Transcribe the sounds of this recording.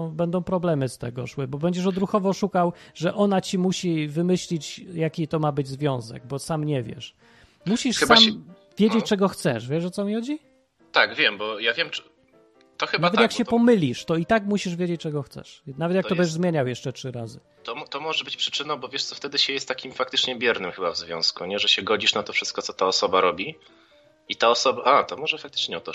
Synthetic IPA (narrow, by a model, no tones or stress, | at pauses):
bɛnd̪ɔ̃w̃pɾɔblɛmɘst̪ɛ̰ɡɔ̰ʂwɘbɔbɛɲd͡ʑɛʂ̬ɔd̪ɾuxɔvɔʂukawʐɛʔɔnat͡ɕimuɕivɘmɘɕlʲit͡ɕjakʲit̪ɔmabɘd͡ʑzvʲjɔ̃w̃zɛ̰ɡ̚bɔsamɲɛvʲjɛ̰ʂ | muɕiʂxsam | vʲjed͡ʑet͡ɕt͡ʂɛɡɔxt̪sɛ̰ʂvʲjɛʂɔt̪sɔmʲixɔd͡ʑi | t̪aɡvʲjɛmbɔjavʲjɛm | t̪ɔxɘnavɛt̪jakɕɛpɔmɘlʲiʂt̪ɔit̪akmuɕiʐvʲjed͡ʑet͡ɕt͡ʂɛɡɔxt̪sɛ̰ʂnavɛt̪jakt̪ɔbɛʐzmʲjeɲawjɛʂt͡ʂɛtʂɘɾazɨ | t̪ɔmt̪ɔmɔʐɛbɘt͡ɕpʂɘ̥t͡ʂɘnɔ̃w̃bɔvʲjɛʂt̪sɔft̪ɛd̪ɘɕɛjɛst̪ːakʲimfak̚t̪ɘt͡ʂɲɛbʲjɛɾnɘmxɘbavzvʲjɔ̰̃w̃skuɲɛʐɛɕɛɡɔd͡ʑiʂnat̪ɔfʂɘst̪kɔt̪sɔt̪aɔsɔbaɾɔbʲi | it̪aɔsɔbaʔat̪ɔmɔʐɛfakt̪ɘ̥t͡ʂɲɛɔt̪ɔ